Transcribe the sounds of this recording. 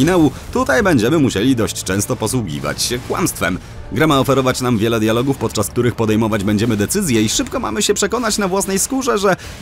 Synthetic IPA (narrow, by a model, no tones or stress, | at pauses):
inawu | t̪ut̪ajbɛɲd͡ʑɛmɘmuɕelʲid̪ɔɕt͡ɕt͡ʂɛ̃w̃st̪ɔpɔswuɡʲḭva̰t͡ɕɕɛkwa̰mst̪fɛ̰m | ɡɾɛmaɔfɛɾɔvat͡ɕnamvʲjɛlɛd̪jalɔɡufpɔt̪t͡ʂask̚t̪uɾɘxpɔd̪ɛjmɔvad͡ʑbɛɲd͡ʑɛmɘd̪ɛt̪sɘzʲjɛiʂɘpkɔma̰mɘɕɛpʂɛkɔnat͡ɕnavwasnɛjskuʐɛʐɛ